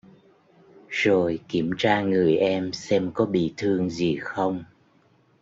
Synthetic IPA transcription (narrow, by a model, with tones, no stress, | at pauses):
z̥o˨˩jki˧˩əmt͡ɕaː˧ŋɨ˨˩əjʔɛ˧msɛ˧mkɔ˨˦ɓḭ˧˨t̪ʰɨ˧əŋzi˨˩xə˧wŋ͡m